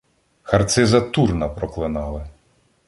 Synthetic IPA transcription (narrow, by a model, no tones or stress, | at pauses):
xɐrt̪sɪzɐt̪urnɐpɾɔklˠɪnɑlˠɪ